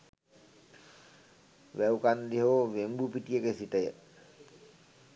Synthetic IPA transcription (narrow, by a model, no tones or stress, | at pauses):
ʋɛwkand̪iɦoʋembupiʈijəkesiʈəjə̰